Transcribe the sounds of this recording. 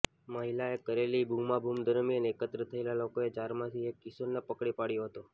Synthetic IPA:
məɦilaekəɾelibʱumabʱumd̪ʱəɾmiəneːkət̪ɾət̪ʰəelalokoed͡ʒaɾmãt̪ʰiekːisonːepəkɽipaɽjoɦət̪o

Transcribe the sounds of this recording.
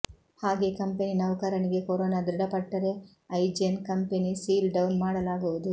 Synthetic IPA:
haːɡekɐmpeninɐʋɐkɐɾɐniɡe̞koɾoːnaːd̪ɾiɽɐpɐʈːɐɾe̞ | ɐjd͡ʒɐnkɐmpenisiːlɖɐwnmaːɽɐlaːɡuʋud̪u

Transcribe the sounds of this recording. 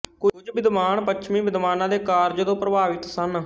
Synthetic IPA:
kʊd͡ʒbɪd̪maːɳpətːʃʰmĩːbɪd̪maːnãːd̪eːkaːɾd͡ʒəd̪õːpɾəbaːʋɪt̪sən

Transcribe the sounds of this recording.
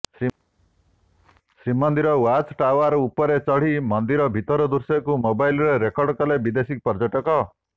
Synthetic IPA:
sɾimɔnd̪iɾɔwat͡ʃʈawaɾupɔɾet͡ʃɔɭ̤imɔnd̪iɾɔbʱit̪ɔɾɔd̪uɾsɔkumobajlɔɾeɾekɔɾɖkɔlebid̪esik̚pɔɾd͡ʒɔʈɔkɔ

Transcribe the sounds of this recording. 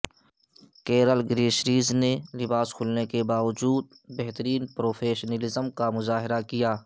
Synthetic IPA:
keːɾəlɡɾeːʃɾiːznelɪbaːskʰʊlnekebaːʋəd͡ʒuːd̪̚ | bɛɦt̪əɾiːnpɾoːfʰeːʃnəlɪzəmkamʊzaːɦɪɾakijaː

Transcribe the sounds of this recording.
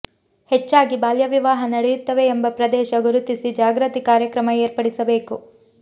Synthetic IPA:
het͡ʃːaːɡibaːljɐʋiʋaːɦɐnɐɽɛjut̪ːɐʋe̞ːmbɐpɾɐd̪ɛːʃɐɡuɾut̪isid͡ʒaːɡɾɐt̪ikaːɾjɐkɾɐmɐeːɾpɐɽisɐbe̞ːku

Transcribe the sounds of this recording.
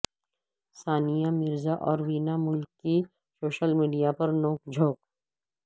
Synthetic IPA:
saːnijamɪɾzaʔɔːɾʋiːnamʊlkːi | soːʃəlmiːɖijapɐɾnɔ̃ːkd͡ʒʱoːk

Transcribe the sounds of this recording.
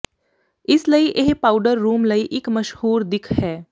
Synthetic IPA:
ɪsləiʔeɦpaːʊɖəɾːuːmlɐiʔɪkmɐʃhuːɾd̪ɪkʰhɛː

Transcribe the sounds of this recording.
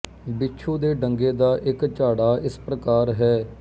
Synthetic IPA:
bɪtːt͡ʃʰũːd̪eːɖəŋɡeːd̪aːʔɪkt͡ʃaːɽaːɪspɾəkaːɾɦɛː

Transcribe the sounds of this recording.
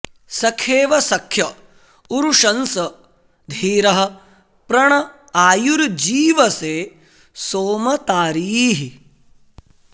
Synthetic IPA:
sɐkʰeːʋɐsɐkʰjɐ | uɾuʂɐnsɐ | d̪ʱiːɾɐɦɐ̆ | pɾɐɳɐ | aːjuɾd͡ʒiːʋɐseː | soːmɐt̪aːɾiːɦi

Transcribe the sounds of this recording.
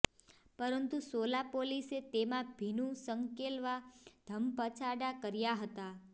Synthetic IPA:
pəɾənt̪usolapoliset̪emãbʱinũsəŋkelʋad̪ʱəmpət͡ʃʰaɖakəɾjaɦət̪a

